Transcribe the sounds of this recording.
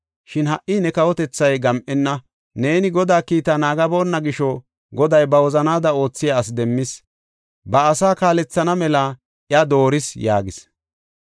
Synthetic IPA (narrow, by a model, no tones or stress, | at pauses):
ʃɪnhɐʔːinɛkɐwɔt̪ɛt͡sːɐjɡɐmʔɛnːɐ | ne̞ːnɪɡɔd̪aːkiːt̪ɐnaːɡɐbo̞ːnːɐɡɪʃɔ | ɡɔd̪ɐjbɐwɔzɐnaːd̪ɐo̞ːt͡sːɪjaːs̬d̪ɛmːɪs | bɐːsaːkaːlɛt͡sːɐnɐmɛlɐ | ʔjɐd̪o̞ːɾɪsja̰ːɡɪs